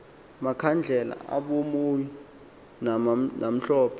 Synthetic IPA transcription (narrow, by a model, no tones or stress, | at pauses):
makʰand͡ɮʱɛla̰ʔaɓomoji | nanam̩ɬɔːpʰɔ